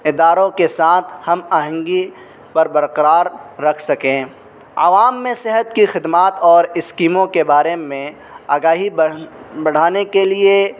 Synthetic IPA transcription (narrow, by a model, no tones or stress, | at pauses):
ɪd̪aːɾõkesaːt̪ʰhɐmaɦə̃ŋɡi | pɐɾbɐɾqəɾaːɾːɐkʰsɐkẽː | ɐ̰ʋaːmːẽsɪɦət̪kixɪd̪maːt̪ɔːɾɪskiːmõkebaːɾemẽ | aːɡaːɦi | bɐɽ̤aːnekelie